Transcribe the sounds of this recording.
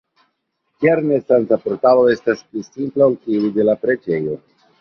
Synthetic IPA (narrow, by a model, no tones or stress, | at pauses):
kaɾnesant͡sapoɾtalo̞e̞stasplisimplaoltiude̞lapɾe̞d͡ʒe̞jo̞